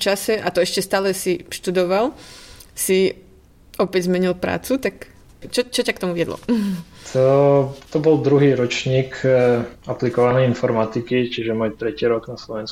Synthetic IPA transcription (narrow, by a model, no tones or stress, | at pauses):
t͡ʃasɛʔat̪ɔɛʃcɛst̪aːlɛsiʃt̪ud̪ɔʋalsi | ɔpɛɟzmɛɲilpɾa̰ːt͡sut̪ak | t͡ʃɔt͡ʃɔcakt̪ɔmuʋɪɛd̪lɔ̰t̪ʰɔt̪ɔbɔld̪ɾuɦiːɾɔt͡ʃɲiːk | aplikɔʋanɛjinfɔɾmat̪ikit͡ʃiʒɛmɔjt̪ɾɛciːɾɔɡnaslɔʋɛns